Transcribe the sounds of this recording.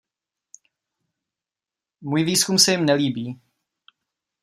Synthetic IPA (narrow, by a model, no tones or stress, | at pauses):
muːjviːskumsɛjɪmnɛliːbiː